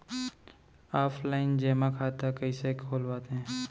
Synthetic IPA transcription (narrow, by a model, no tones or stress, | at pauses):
aːpʰlaːɪnd͡ʒeːmãkʰaːt̪akəisekʰoːlʋaːt̪eɦɛ̃ː